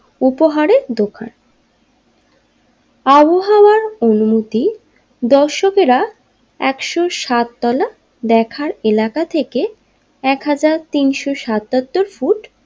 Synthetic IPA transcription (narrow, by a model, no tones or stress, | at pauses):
upoɦaɾed̪okʰa̰n | aboɦawaɾonumot̪i | d̪ɔʃokeɾa | ɛkʃoʃat̪ːɔla | d̪ɛkʰaɾelakat̪ʰeke | ɛkɦad͡ʑaɾt̪inʃoʃat̪ːat̪ːoɾfuʈ